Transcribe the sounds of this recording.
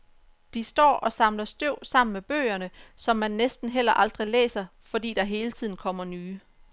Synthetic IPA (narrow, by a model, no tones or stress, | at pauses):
d̥isd̥ɒ̰ːʔɒ̽sɑ̈mlɐsd̥øʊ̰sɑ̈m̰n̩meb̥ø̰ːɪɐnəsɒ̽mːænːesd̥n̩ɦel̰ɐʔɑ̈ld̥ʁilḛːsɐfɒ̽dḭːd̥ɑ̈ɦe̝ːlət͡sʰið̞̰ˠn̩kʰɒ̽m̰ɐnyː